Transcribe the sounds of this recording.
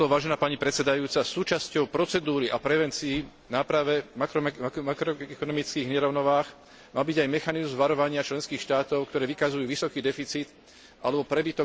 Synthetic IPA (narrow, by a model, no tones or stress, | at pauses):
ɔʋaːʒɛnaːpaɲipɾɛt̪sɛd̪ajuːt͡sasuːt͡ʃascɔʊpɾɔt͡sɛd̪uːɾiʔapɾɛʋɛnt͡sii | naːpɾaʋɛamakɾɔɛkɔnɔmit͡skiːɣɲɛɾɔʊnɔʋaːx | maːbiɟajmɛxanizmʋaɾɔʋaɲɪat͡ʃlɛnskiːxʃt̪aːt̪ɔʊkt̪ɔɾɛːʋikazujuːʋisɔkiːd̪ɛfit͡siːt̪ | ʔalɛbɔpɾɛbit̪ɔ